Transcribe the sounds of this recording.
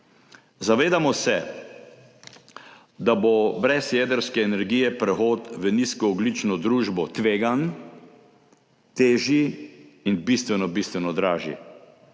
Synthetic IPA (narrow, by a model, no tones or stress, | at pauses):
zaʋeːd̪amɔsɛ | d̪abobɾɛsjɛd̪əɾskɛːnɛɾɡiːjɛpɾɛxoːt̪ʋəniskɔːɡlit͡ʃnɔd̪ɾuːʒbɔt̪ʋeːɡan | t̪eːʒiinbist̪ʋɛnɔbist̪ʋɛnɔd̪ɾaːʒḭ